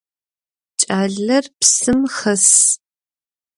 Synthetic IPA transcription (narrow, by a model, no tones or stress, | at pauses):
t͡ʃt͡ʃʼaːɮɐrpsɨmχɐs